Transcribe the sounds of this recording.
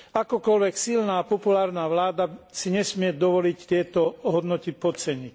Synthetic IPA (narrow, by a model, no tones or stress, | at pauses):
akɔkɔlʋɛksilnaːpɔpulaːɾnaːʋlaːd̪asiɲɛsmɪɛd̪ɔʋɔlict̪ɪɛt̪ɔɦɔd̪nɔt̪ipɔt͡sɛɲic